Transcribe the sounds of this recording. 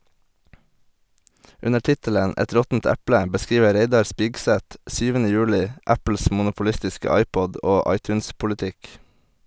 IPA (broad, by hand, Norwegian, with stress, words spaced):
ˈʉnə ˈʈɪtələn ˈɛt ˈɾɔtn̩t ˈæplə bəˈskiːʋə ˈɾeɪdɑɾ ˈspɪɡˌsɛt ˈsyːʋənə ˈjʉːlɪ ˈæpl̩s mʊnʊpʊˈlɪstɪskə ˈɑɪˌpɔd ˈoː ˈɑɪˌtʉːnspʊləˌtɪk